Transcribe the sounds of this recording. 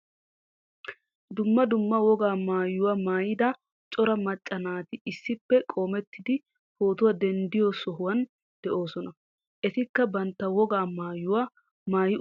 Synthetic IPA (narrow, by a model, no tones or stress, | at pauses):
d̪ʊmːɐd̪ʊmːɐwɔɡaːmaːjːʊwamaːjɪd̪ɐ | t͡ʃʼɔɾɐmɐt͡ʃʼːɐnaːt̪ɪɪsːɪpːɛkʼoːmɛt̪ːɪd̪ɪ | hoːt̪ʊwɐd̪ɛnd̪ɪjɔsɔɦʊwɐn | d̪̥ɛʔo̞ːsɔnɐ | ʔɛt̪ɪkːɐbɐnt̪ːɐwɔɡaːmaːjːʊwa | maːjɪ